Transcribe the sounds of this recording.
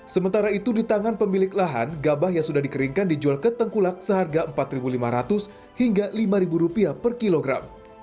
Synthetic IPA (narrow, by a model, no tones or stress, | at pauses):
səmənt̪aɾait̪udit̪aŋanpəmilɪklaɦa̰nɡabahjaŋsudahdikəɾiŋkandid͡ʒualkət̪əŋkulak̚səɦarɡaəmpat̪ribulimaɾat̪ʊs | hiŋɡalimaɾibuɾupiapərkiloɡɾa̰m